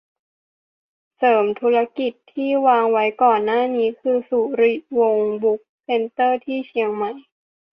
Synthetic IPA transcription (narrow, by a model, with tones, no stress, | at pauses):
sɤː˩˦mt̪ʰuː˦˥ɾa˦˥ki˨˩t̪ʰːiː˥˩waː˧ŋwa˦˥jkɔː˨˩nːaː˥˩niː˦˥kʰɯː˧su˨˩ɾi˨˩wo˧ŋbu˦˥k̚se˧nt̪ɤː˥˩t̪ʰiː˥˩t͡ɕʰi˧əŋma˦˥j